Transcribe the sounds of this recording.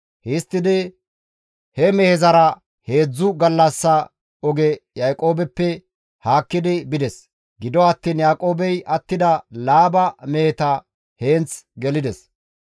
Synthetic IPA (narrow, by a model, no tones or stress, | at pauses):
hɛst̪ːɪd̪ɪ | hɛmɛhɛzɐɾɐ | he̞ːd͡zːʊɡɐlːɐsːɐ | ɔɡɛjɐjkʼo̞ːbɛpːɛ | haːkːɪd̪ɪbɪd̪ɛs | ɡɪd̪ɔɐt̪ːiːnjaːkʼo̞ːbɛjɐt̪ːɪd̪ɐlaːbɐmehɛt̪ɐ | heːnt͡sɡɛlɪd̪ɛs